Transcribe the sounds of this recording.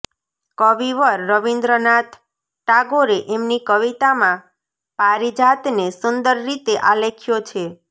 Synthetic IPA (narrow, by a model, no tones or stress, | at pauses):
kəʋiʋəɾːəʋind̪ɾənat̪ʰ | ʈaɡoɾeʔemnikəʋit̪amã | paɾid͡ʒat̪nesʊnd̪əɾːit̪eʔalekʰjot͡ʃʰe